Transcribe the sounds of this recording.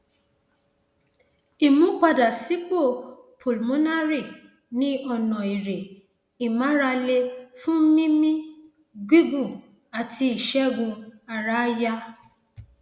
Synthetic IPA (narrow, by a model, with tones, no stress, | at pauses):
i˨mũ˨˦k͡pa˦da˨si˦k͡po˦˨pʰo˨lmõ˦na˦ɾi˦˨ | nĩ˦ɔ˧nɔ̃˨i˨ɾe˨ | i˨mã˨˦ɾa˧le˦fũ˦mĩ˦mĩ˦ | ɡʷi˦ɡũ˨ | a˨ti˧i˨ʃɛ˦ɡũ˧a˨ɾa˦ja˦